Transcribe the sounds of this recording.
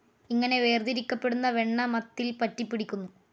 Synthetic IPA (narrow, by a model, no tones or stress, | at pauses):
iŋːɐne̞ʋe̞ːrd̪iɾikʲːɐpːe̞ɽunːɐʋe̞ɳːɐmɐt̪ːilpɐtːipːiɽikʲːunːu